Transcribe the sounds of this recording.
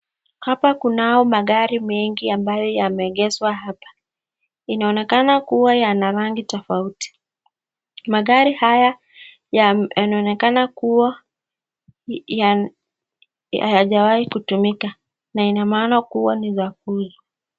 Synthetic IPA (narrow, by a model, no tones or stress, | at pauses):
hapakunaɔmaɠaɾimɛŋɡiambajɔjamɛːɠɛzwaɦapḁ | inaɔnɛkanakuwajanaɾaŋɡitɔfauti̥ | maɠaɾihaja | jaanaɔnɛkanakuwa | a̰jaʄawahikutumika | nainamaːnakuwanizak̚uli